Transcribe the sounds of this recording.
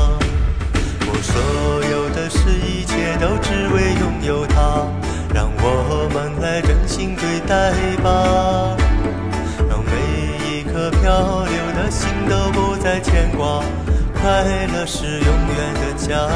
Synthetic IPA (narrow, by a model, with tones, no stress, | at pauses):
wɔ˨˩swɔ˧˥jo˨˩ʊd̪ə˧ʂɻ̩˥˧i˥˧t͡ɕʰjɛ˥˩t̪o˥ʊʈ͡ʂɻ̩˥we˥ɪjʊ˥˧ŋjo˧˥ʊt̪ʰa˥ | ɻɑ˥˩ŋwɔ˨˩xɤ˧˥mə˧˥nla˥ɪʈ͡ʂə˧˨˩ŋɕi˥ŋt̪we˧˥˩ɪt̪a˥˧ɪba˧ | ɻɑ˧˩ŋme˧˥ɪ | i˧˨˩kʰɤ˧pʰjɑ˥˧ʊ˧ljo˨˧˩ʊd̪ə˧ɕi˥nt̪o˥ʊpɔ˥˧t͡sa˥˧ɪt͡ɕʰjɛ˧˥nkwɑ˧˥ŋ | kʰa˥lə˨ʂɻ̩˨˩jʊ˧ŋɥɛ˧˥nd̪ə˧t͡ɕja˥